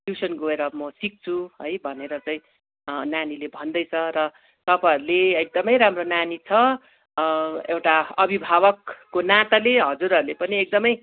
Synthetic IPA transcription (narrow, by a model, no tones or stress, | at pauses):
jusʌnɡoeɾʌmʌsik̚t͡sʰuɦʌjbʱʌneɾʌt͡sʌĩ | nanilebʱʌnd̪ʌjt͡sʰʌɾʌ | t̪ʌpaɦʌɾuleek̚d̪ʌmʌjɾamronanit͡sʰʌ | ewʈaʌbʱibʱaβʌkːonat̪aleɦʌd͡zuɾʌɾulepʌniek̚d̪ʌmʌj